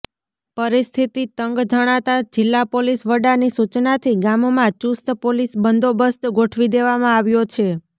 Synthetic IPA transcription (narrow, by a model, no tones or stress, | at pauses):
pəɾist̪ʰit̪it̪əŋɡd͡ʒəɽ̃at̪ad͡ʒɪlːapolisʋəɖanisut͡ʃnat̪ʰiɡamomãt͡ʃust̪polisbənd̪ʱobəst̪ɡoʈʰʋid̪eʋamãaʋjot͡ʃʰe